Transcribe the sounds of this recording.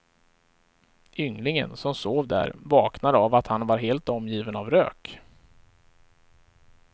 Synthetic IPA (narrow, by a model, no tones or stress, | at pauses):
ʔʏŋlɪŋə̰nsɔmsoːvd̪æ̰ɾvɑːknad̪əavat̪hanvaɾɦeːlt̪ɔmjiːvənavɾø̰ːk